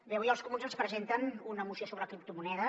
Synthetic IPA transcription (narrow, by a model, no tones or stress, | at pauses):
beujəlˠskumunzənspɾəzent̪ənunəːmusijosoβɾəkɾip̚t̪umunɛðə